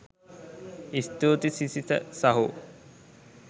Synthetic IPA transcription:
ist̪uːt̪isisit̪ə̰saɦu

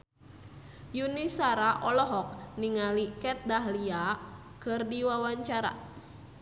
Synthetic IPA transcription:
junisaɾaʔɔlɔɦɔk̚niŋalikɛt̪̚daɦlia | kɨrdiwawaɲt͡ʃaɾa̰

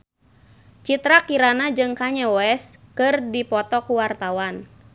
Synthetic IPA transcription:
t͡ʃit̪ɾakiɾanad͡ʒɨŋkaɲɛɔɛskɨrdipɔt̪ɔkuwart̪awan

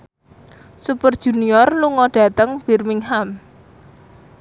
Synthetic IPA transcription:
supərd̥ʒ̥ṳniɔrluŋɔɖ̥ä̤t̪əŋb̥irmiŋham

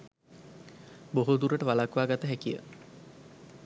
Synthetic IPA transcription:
boɦud̪uɾəʈəʋalakʋaːɡat̪əɦækijə̰

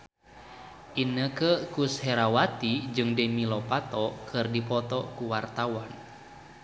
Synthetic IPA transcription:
ʔinəkəkushɛɾawat̪id͡ʒɨŋdemilɔpat̪ɔkʰɨrdipɔt̪ɔkuwart̪awan

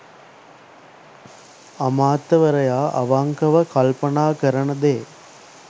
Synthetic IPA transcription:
ɐmaːt̪ːɐʋɐɾɐjaːʔɐ̰ʋaːŋkɐʋɐkɐlpɐnaːkɐɾɐnɐd̪eː

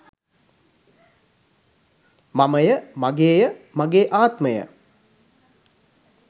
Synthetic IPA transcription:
maməjəmaɡeːjəmaɡeːʔaːt̪məjə̰

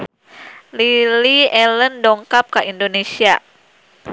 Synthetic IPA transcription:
liliɛləndɔŋkap̚kaʔindonesia

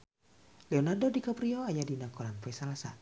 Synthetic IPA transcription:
lɛɔnardodikapɾiɔajadinakɔɾanfɛsalasa

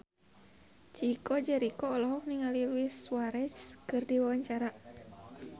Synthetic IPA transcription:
t͡ʃikɔd͡ʒɛɾikɔːlɔɦɔk̚niŋaliluisuwaɾɛskɨrdiwawaɲt͡ʃaɾa

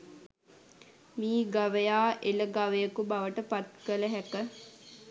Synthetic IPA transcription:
miːɡaʋəjaːʔeləɡaʋəjəkubaʋəʈəpat̪̚kələɦækə

